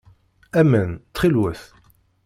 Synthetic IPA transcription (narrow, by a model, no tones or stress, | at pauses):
æmənt͡s̪χilwəθ